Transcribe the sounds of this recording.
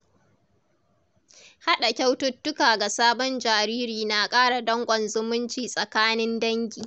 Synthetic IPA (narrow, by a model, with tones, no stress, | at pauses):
ha˦ɗa˨kʲa˦wtʊ˦tːʊ˦kaː˨ɡa˨saː˦bɔ˦nd͡ʒaː˨ɾiː˦ɾiː˨na˨kʼaː˦ɽa˨dɐ˦ŋkʷʼɔ˨nzʊ˦mʊ˦nt͡ʃiː˨sʼɐ˨kaː˦nɪ˦ndɐ˦ŋɡʲiː˨